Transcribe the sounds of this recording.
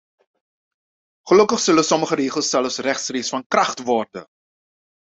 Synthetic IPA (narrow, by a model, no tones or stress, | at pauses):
χəlɵkəχsɵləsɔməχəɾeːχəlˠsːɛləfsrɛχtsreːsfɑnkrɑχtʋɔrdə̰